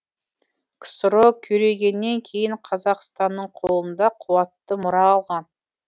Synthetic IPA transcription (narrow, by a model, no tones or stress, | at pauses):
kʰsəɾokʲʰɵɾe̞ɡʲe̞nːe̞ŋkʲʰe̞jɪɴqʰɑzɑqst̪ɑnːəɴqʰolˠənd̪ɑqʰʊwɑt̪ːəmʊɾɑːlˠʁɑn